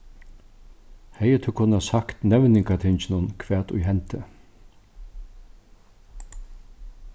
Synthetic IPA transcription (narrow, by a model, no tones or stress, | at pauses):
hɛjət̪ʰʊkʰʊnasakt̪nɛʋnɪŋkat̪ʰɪnt͡ʃɪnʊnkʰʋæːt̪ʊ̰jɦɛnt̪ə